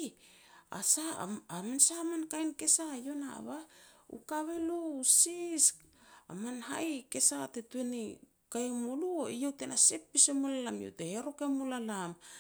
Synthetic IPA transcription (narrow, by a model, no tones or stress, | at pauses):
a̰sa̰amensaːmankajnke̞sajo̞naa̰βaṵkaβe̞lousisa̰manɦajke̞satetueni | kaemoluoijewte̞nase̞pːisemolalamjo̰wteheɾo̞kemolalam